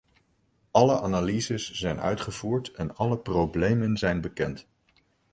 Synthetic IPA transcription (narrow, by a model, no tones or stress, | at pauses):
ɑləʔaːnalizəszɛjnœ̰ɥtχəv̥uːɹtɛnɑləprowblejmənzɛjnbəkɛnt